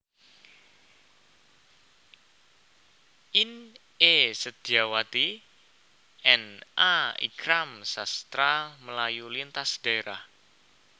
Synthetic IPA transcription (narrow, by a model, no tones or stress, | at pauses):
ʔin | esəd̪̥iawat̪i | ɛnʔaḭɡɾamsast̪ɾaməlajulint̪asd̥aeɾah